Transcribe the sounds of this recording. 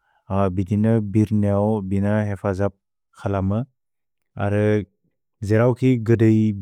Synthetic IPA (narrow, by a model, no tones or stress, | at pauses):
abidinɯbiɾniawbinahepʰazap̚ | kʰalamɯ | a̰ɾɯ | zeɾawkʰiɡɯdɯj